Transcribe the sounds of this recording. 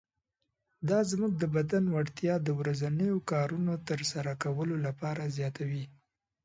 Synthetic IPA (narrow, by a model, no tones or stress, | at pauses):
d̪ɑzmuɡ̚d̪əbad̪anwaɽt̪jɑd̪əwɾazanəjokɑɾunot̪əɾsaɾakawəlolapɑɾazjɑt̪awi